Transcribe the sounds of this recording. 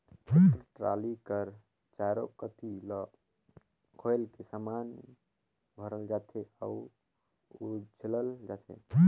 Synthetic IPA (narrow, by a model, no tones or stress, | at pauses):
eɾʈɾa̰likəɾ | t͡ʃaɾokət̪ilɔ | kʰoelkesaman | bʱəɾəld͡ʒat̪ʰea̰u | ud͡ʒləld͡ʒat̪ʰḛ